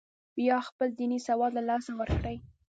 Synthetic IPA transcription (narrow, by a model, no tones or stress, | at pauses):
jɑxpəld̪inisawɑd̪lalɑsawəɾkɽaj